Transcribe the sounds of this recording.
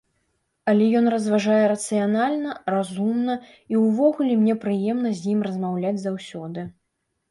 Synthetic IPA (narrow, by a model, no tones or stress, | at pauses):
ɐlʲɛjɔn̪rɐzvaʐajɛɾɐt̪sɨjanalʲnɐrazumnɐ | iwvɔɣulʲɛmnʲɛpɾɨjɛmnɐzʲjimrɐzmawlʲad͡zʲzawsʲɔd̪ɨ